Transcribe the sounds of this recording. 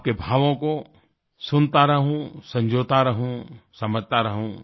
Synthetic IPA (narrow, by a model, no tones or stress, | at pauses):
p̚kebʱaːʋõko | sʊnt̪aɾɐɦũsɐ̃ɲd͡ʒʱoːt̪aɾɐɦũsɐməd͡ʒʱt̪aɾɐɦũ